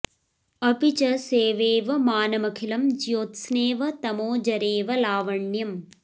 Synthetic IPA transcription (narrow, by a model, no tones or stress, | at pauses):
ɐpit͡ʃɐseːʋeːʋɐmaːnɐmɐkʰilɐmd͡ʒjoːt̪sneːʋɐt̪ɐmoːd͡ʒɐɾeːʋɐlaːʋɐɳjɐm